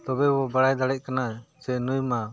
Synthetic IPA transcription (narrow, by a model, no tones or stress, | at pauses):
t̪ɔbɛbɔbaɽajd̪aɽɛc̚kanasɛnujma